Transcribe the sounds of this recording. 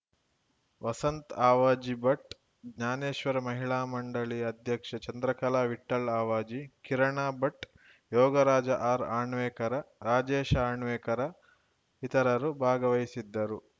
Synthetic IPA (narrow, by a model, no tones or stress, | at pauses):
ʋɐsɐnt̪aːʋaːd͡ʒibɐʈ | ɡɲaːneːʃʋɐɾɐmɐɦiɭaːmɐɳɖɐɭiɐd̪ʱjɐkʂɐt͡ʃɐnd̪ɾɐkɐlaːʋiʈːɐɭaːʋaːd͡ʒikiɾɐɳaːbɐʈ | jɔːɡɐɾaːd͡ʒɐʔaːɾaːɳʋeːkɐɾɐɾaːd͡ʒeːʃaːɳʋeːkɐɾɐ | it̪ɐɾɐɾubʱaːɡɐʋɐjisid̪ːɐɾu